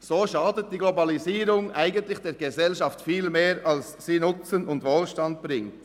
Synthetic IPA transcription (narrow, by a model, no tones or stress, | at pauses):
z̥oːʃɑːdət̚d̥iːɡlobɑliziːɾʊŋʔaɪɡəntlɪxd̥eːɾɡəzɛlʃɑftfiːlmeːɾɑls | siːnʊt͡sənʊntvoːlʃtɑnt̚b̥ʁɪŋt